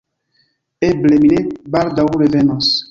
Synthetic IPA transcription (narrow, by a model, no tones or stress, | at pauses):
ebleminebaɾdawuɾevɛnɔs